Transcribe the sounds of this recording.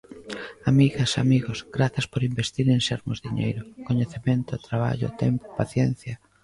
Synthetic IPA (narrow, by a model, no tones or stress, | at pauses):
amiɣɐsamiɣosɡɾaθɐspoɾimbest̪iɾenseɾmo̰zðiɲḛjɾʊkoɲeθemẽnt̪ʊt̪ɾaβ̞a̰ʎʊ̰t̪ɛmpo̥paθjɛn̟θjɐ